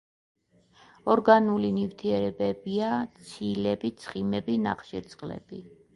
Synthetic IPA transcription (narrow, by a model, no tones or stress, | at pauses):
ɔɾɡanulinift̪ʰiɛɾɛbɛbiat̪sʰilɛbit̪sʰχimɛbina̰χʃiɾt̪sʼqʼlɛ̰b̥i